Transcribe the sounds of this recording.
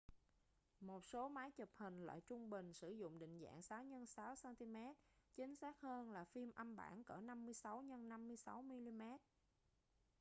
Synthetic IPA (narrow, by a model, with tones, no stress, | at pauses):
mo˨˩t̚so˨˦maː˨˦jt͡ɕə˨˩p̚hï˨˩ŋ̟lwa̰ː˧˨jt͡ɕʊ˧ŋ͡mɓï˨˩ŋ̟sɨ˧˩zʊ̰˧˨ŋ͡mɗḭ̈˧˨ŋ̟za̰ː˧˨ŋsaː˨˦wɲə˧nsaː˨˦wsaː˧nt̪i˧mɛ˦˥t̚t͡ɕï˨˦ŋ̟saː˦˥k̚həː˧nlaː˨˩fi˧mʔə˧mɓa̰ː˧˩nkəː˧˩na˧mːɨ˧əjsa˨˦wɲə˧nːa˧mːɨ˧əjsa˨˦wmi˧li˧mɛ˦˥t̚